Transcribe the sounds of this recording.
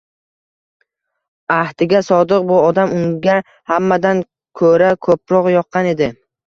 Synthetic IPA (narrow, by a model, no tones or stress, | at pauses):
aht̪ɪɡʲasɒd̪ɨq̚bʊɒd̪amʊŋɡʲa | hamːad̪an | kʰɵɾakʰɵpɾɒqjɒqʰːɑne̞d̪ɪ